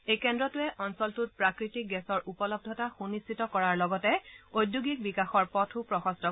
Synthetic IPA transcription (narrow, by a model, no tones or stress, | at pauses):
ejkɛndɹɔtʊɛʔɔnsɔltut̚pɹakɹitik̚ɡɛsɔɹʔupɔlɔb̚dʱɔtaxunistitɔkɔɹaɹlɔɡɔtɛojdjuɡik̚bikaxɔɹpɔtʰʊpɹɔxɔstɔ